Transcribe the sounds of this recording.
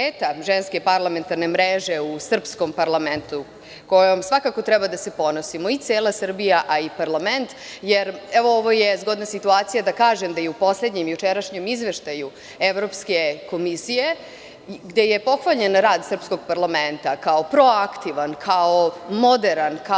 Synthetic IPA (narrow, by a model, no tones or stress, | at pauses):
eːt̪aʒenskepaɾlˠame̞nt̪aɾne̞mɾeʒe̞usr̩psko̞mpaɾlˠament̪u | ko̞jomsʋakako̞t̪ɾɛbad̪ase̞po̞no̞simo̞it̪seːlˠasr̩bijaʔaipaɾlament̪jeɾɛʋooʋojezɡo̞d̪nasit̪uaːt̪sijad̪akaːʒemd̪ajeupo̞sle̞d̪ɲemjut͡ʃeɾaʃɲemizʋeʃt̪aju | eʋɾo̞ːpskeko̞misije̞ | ɡd̪e̞jepo̞xʋaʎe̞nɾaːd̪sr̩psko̞ɡ̚paɾlˠament̪akaopɾo̞akt̪iʋankʰaomo̞d̪eɾanka